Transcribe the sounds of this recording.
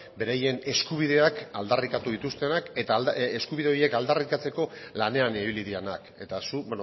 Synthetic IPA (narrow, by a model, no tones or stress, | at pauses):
be̞ɾaje̞ne̞skuβ̞iðe̞akald̪arikat̪uðit̪ust̪enake̞t̪aeskuβiðeo̞je̞kald̪arikat͡se̞ko̞lane̞aneβiliðianake̞t̪asuben